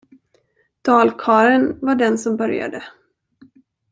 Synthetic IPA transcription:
d̪̥ɑːlkʰɑːɾənvaɖɛnsɔmbœɾja̰d̪ə

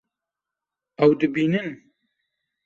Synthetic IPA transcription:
ɐwd̪ɨbiːnɨn

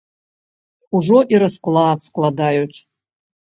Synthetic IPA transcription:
uʐoʔiɾasqʼlˠaːpʰsqʼlˠad̪ajut͡sʼ

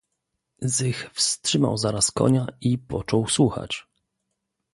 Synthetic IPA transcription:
zɘxfstʂɘma̰wzaɾaskɔ̰ɲaipɔt͡ʂɔwswuxa̰t͡ɕ

